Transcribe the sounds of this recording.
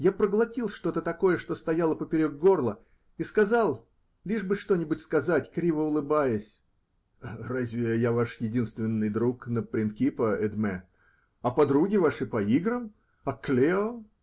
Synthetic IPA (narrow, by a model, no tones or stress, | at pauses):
japɾəɡlˠɐtʲilˠʂt̪o̞t̪ət̪ɐko̞jəʂt̪o̞st̪ɐjalˠəpəpʲɪɾʲoɡ̚ɡo̞rlˠə | iskɐzɑlˠ | lʲiʐbɨʂt̪o̞nʲɪbʊtʲskɐzatʲkɾʲivəʊlˠɨbajɪsʲ | razʲvʲɪjavaʂjɪdʲinst̪vʲɪnːɨjd̪ɾuknəpɾʲɪnt̪kʲipəɛd̪mɛ | ɐpɐd̪ɾuɡʲɪvaʂɨpɐiɡɾəm | ɐklʲeo